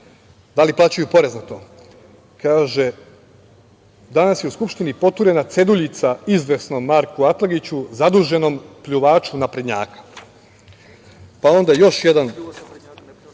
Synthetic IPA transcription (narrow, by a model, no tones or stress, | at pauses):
d̪aliplˠaːt͡ɕajupo̞ɾeznat̪o | kaːʒe | d̪anasjeuskupʃt̪inipo̞t̪uɾe̞nat̪se̞d̪uʎit̪saizʋe̞sno̞maɾkuat̪lˠaɡit͡ɕuzad̪uːʒe̞no̞mpʎuʋaːt͡ʃunapɾed̪ɲa̰ːkḁ | pao̞nd̪ajo̞ʃje̞d̪an